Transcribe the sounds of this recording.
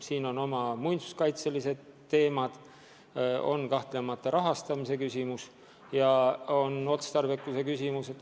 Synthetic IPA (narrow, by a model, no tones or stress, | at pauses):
siːno̞no̞mɑmujnt̪su̥skɑjt̪selise̞d̪̥e̞ːmɑd̪̥ | o̞̰nkɑht̪le̞mɑt̪ˑːɑɾɑɦɑst̪ɑmise̞kysʲimus | jɑo̞no̞t̪st̪ɑrvekːˑuse̞kysʲimuset̪ː